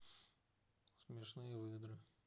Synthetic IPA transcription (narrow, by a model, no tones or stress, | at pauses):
smʲɪʂnɨjəvɨd̪ɾɨ